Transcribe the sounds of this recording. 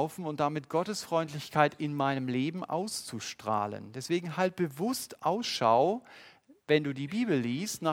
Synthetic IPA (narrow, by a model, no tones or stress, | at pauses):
ʊfn̩ʊnt̚d̥amɪt̚ɡ̥ɔtəsfʁ̥ɔʏntlɪçkʰaɪtɪnmaɪnəmleːbm̩ʔa̰ʊst͡suʃtʁ̥a̰ːlə̰ndɛsv̥eːɡŋ̩ɦalt̚b̥əvʊstʔaʊsʃa̰ʊ | vɛnduːdiːbiːbl̩ːiːstnaː